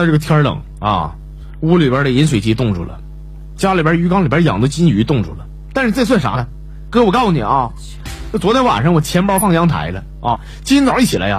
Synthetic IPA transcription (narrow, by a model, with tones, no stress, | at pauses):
a˥˧ʈ͡ʂɤ˥˩ɡə˩t̪ʰjɑ˥lɤ̰˨˩˦ŋ | ɐ̰˧˩ | u˥li˨˩bjə˧˥də˨i˧˥nʂwe˨˩ɪt͡ɕi˧˥t̪ʊ˥˧ŋʈ͡ʂṵ˥˩lə̰˩ | t͡ɕja˥li˨˩bjə˥˩y˧˥kɑ˥ŋli˨˩bʲə˧˥jɑ̰˨˩ŋd̪ə˦t͡ɕi˥ny˧˥t̪ʊ˥˧ŋʈ͡ʂʰu˥˩lə˩ | t̪a˥˧nʂɻ̩˧t͡swa˥˧ɪs̬wa˥˩ʂa̰˧˥ə˧˦ | kə˧˥ɪ˥˩wɔ˨˩kɑ˥˩ʊ˧ni˨˩ɐ˥˧˥ | t͡swɔ˧˥t̪jɛ˧˥nwa̰˨˩nʂɤ˥ŋwɔ˨˩t͡ɕʰjɛ˧˥n˥˧˥fɑ˥˩ŋjɑ˧˥ŋt̪ʰa̰˧˥ɪlə˧ | ɐ˥˧ | t͡ɕi˥i˥t͡swi˥˩t͡ɕʰi˨˩la̰˧˥ɪa̰˧